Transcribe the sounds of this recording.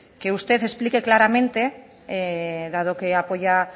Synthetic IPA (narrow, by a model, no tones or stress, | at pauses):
keust̪e̞θe̞splike̞klaɾamẽnt̪e | eðað̞o̞keapo̞ʝa